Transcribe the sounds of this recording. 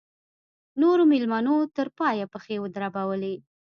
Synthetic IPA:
noɾomɪlmanot̪əɾpɑjapəxewəd̪ɾabawəle

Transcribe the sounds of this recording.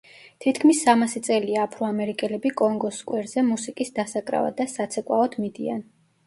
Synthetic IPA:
t̪ʰit̪ʰkʰmisːamasit̪sʼɛliaːpʰɾɔamɛɾikʼɛlɛbikʼɔŋɡɔskʼwɛɾz̥ɛmusikʼisd̪asakʼɾa̰va̰d̪asat̪sʰɛkʼwaɔd̪mid̪ḭa̰n

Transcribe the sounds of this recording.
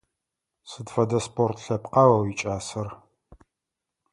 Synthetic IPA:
sɨdfɐdɐspʰʼortʰɬɐpqɐwɐwit͡ʃʼaːsɐr

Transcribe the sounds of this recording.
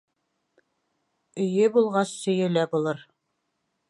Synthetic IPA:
ɵ̆jɵbulˠʁɑsːɵ̆jɘ̆læbulˠɤɾ

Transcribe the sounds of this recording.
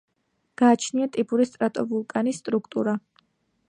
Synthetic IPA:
ɡ̥aːt͡ʃʰniat̪ʼibuɾist̪ʼɾat̪ʼɔbulˠkʼanisːt̪ʼɾukʰt̪ʼuɾa

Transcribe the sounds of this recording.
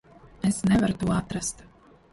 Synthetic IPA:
esnɛvaɾut̪uɔat̪ɾast̪

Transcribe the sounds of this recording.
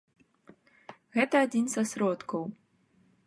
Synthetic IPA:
ɣɛt̪ɐad͡zʲinsɐsɾɔt̪kɐw

